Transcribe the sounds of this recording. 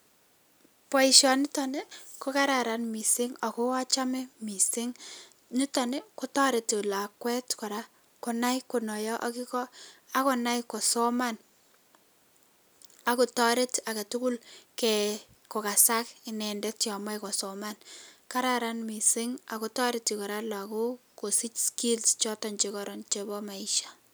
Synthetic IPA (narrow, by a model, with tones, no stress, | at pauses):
pɔ˨˦i˨ʃɔ˨nɪ˦tɔ˨ne˦ko˦ka˦ɾa˨ɾa˨nmi˨sɪ˦ŋa˨ko˦a˦t͡ʃa˦mɛ˦mi˨sɪ˦ŋ | ni˦tɔ˨ne˦ko˦tɔ˦ɾe˨tla˨kwɛ˦tkɔ˨ɾa˦ | kɔ˨na˦jko˨nɔ˨jɔ˦ʔa˦ki˦kɔ˦a˦kɔ˨na˦jko˨sɔ˦ma˦n | a˨ku˨tɔ˦ɾɪ˦take˨tuku˦lkɛ | kɔ˨ka˨sakɪnɛ˨ndɛ˦tjɔ˨ma˦jkɔ˨sɔmanka˦ɾaɾanmi˨sɪ˦ŋa˨ko˨tɔ˦ɾɪ˦ti˨kɔ˨ɾa˦la˨ko˦ko˨si˦t͡ʃski˦lst͡ʃɔ˦tɔɲt͡ʃikɔɾɔ˨nt͡ʃebɔ˦ma˨iʃḁ